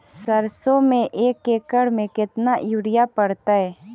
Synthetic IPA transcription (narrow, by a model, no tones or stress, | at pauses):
səɾsomẽʔeːkeːkəɽmẽkɪt̪naʔjuːɾɪjapəɽt̪aɦɛː